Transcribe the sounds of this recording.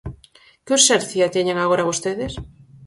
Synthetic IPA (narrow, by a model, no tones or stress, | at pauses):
kusɛɾθjat̪eɲeŋaɣoɾaβost̪eðes